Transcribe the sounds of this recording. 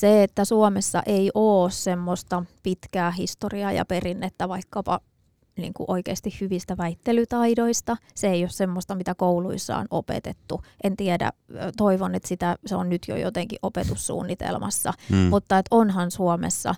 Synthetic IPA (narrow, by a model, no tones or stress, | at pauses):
seet̪ːæsuomesːɑ̰ʔeiʔoːssemːost̪ɑpit̪kæːhist̪oriɑjɑ̰perinːet̪ːæʋɑikːɑpɑ̰ | nḭːŋkṵʔoikeːst̪ihhyʋist̪æʋæit̪ːelyt̪ɑidoist̪ɑseejossemːost̪ɑmit̪ækouluisːɑ̰o̰nʔo̰pḛt̪et̪ːuʔent̪iedæ̰t̪oiʋonet̪sit̪æseonnyt̪jo̰jo̰t̪eŋkiʔʔopet̪ussṵːnːit̪ḛlmʔɑ̰sːɑ̰mut̪ːɑet̪onɦɑnsuomḛsːɑ̰